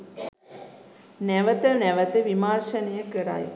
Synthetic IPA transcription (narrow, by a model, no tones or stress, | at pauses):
nɛʋət̪ənɛʋət̪əʋimaːrʃɐnejəkəɾa̰j